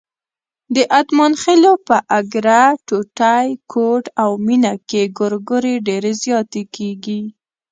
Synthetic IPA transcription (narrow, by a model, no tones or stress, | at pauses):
d̪əʔat̪mɑnxelopəʔaɡɾaʈoʈajkʰoʈawminakeɡʊɾɡʊɾeɖeɾezjɑt̪ekeɡi